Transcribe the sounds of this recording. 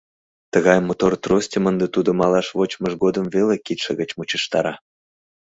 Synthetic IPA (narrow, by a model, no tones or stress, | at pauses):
t̪əɣɑjmot̪ort̪rosʲtʲəmənd̪et̪ud̪ŏmɑlɑʃvot͡ɕməʃɡod̪əmvelekit̪ʃḛɣə̆t͡ɕmut͡ɕəʃt̪ɑ̰ɾɑ